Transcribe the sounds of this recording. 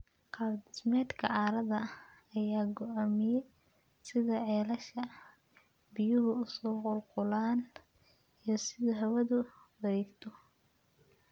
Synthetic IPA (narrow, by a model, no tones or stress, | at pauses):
qɑːd̪ɪsmɛːd̪kʰɐ̰ʕɑːɾɐðɐː | jaːɡɔʔaːmɪjɛ | sɪðɐʕɛːlɐʃɐ | bɪjʊɦʊʊsɔːqʊlqʊlaːn | ijɞsɪðɐɦɐwɐðʊ | wɐðɛːɡt̪ʰɔ